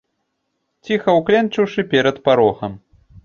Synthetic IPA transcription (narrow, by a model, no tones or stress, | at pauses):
t͡sʲixɐwklʲɛnt͡ʂɨwʂɨpʲɛɾɐt̪paɾɔxɐm